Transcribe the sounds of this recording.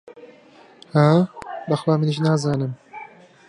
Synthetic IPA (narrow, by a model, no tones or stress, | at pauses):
haːbɐxlaːmɨniʃnaːzaːnɨm